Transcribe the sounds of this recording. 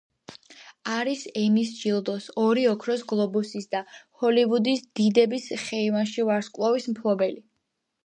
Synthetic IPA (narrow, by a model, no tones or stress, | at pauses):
aɾisɛmisd͡ʒilˠd̪ɔsɔɾiɔkʰɾɔsɡlˠɔbusisd̪ahɔlivud̪isd̪id̪ɛbisχɛivanʃivaɾskʼlˠɔvismpʰlˠɔbɛli